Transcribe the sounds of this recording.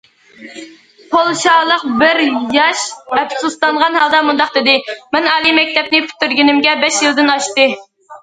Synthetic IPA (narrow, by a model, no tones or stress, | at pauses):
pʰolˠʃɑːlˠəqbɪɾjɑʃɛpsust̪ɑɴʁɑnhɑlˠd̪ɑmund̪ɑqd̪ɪd̪ɪmɛnɑːlˠimɛk̚ʲt̪ɛpnɪpʰy̥t̪ːyɾɡʲinɪmɡʲɛbɛʃjilˠd̪ɪnɑʃt̪ɨ